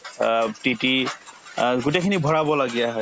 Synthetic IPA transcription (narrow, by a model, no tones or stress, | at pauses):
titi | ɡutekʰinibʱɔɹabɔlaɡijaɦɔj